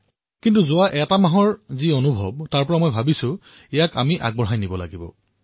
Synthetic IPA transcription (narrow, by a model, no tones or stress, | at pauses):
kintuzʊaʔɛtamaɦɔɹzionubʱɔb̚taɹpɔɹamɔjbʱabisʊ̃ | ɛjaka̰miʔa̰ɡ̚bɔɹɦajnibɔla̰ɡibɔ̰